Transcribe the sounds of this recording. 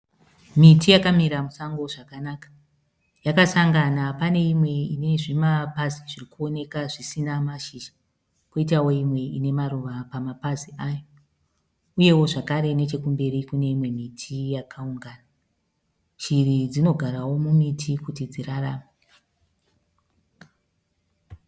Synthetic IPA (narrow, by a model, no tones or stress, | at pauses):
mitijakamiɾamusaŋɡo̞ʐakanakḁ | jakasaŋɡanapane̞imwe̞ine̞ʐimapaziʐirikuo̞ne̞kaʐisinamaʃiʃḁ | koit̬awo̞imwe̞ḭne̞maɾuʋapamapaziʔajo | uje̞wo̞ʐakaɾe̞ne̞t͡ʃe̞kumbe̞ɾikune̞imwe̞mitʰijakʰauŋɡaːna | ʃirid͡zino̞ɡʱaɾawo̞mumitʰikutid͡ziraraːme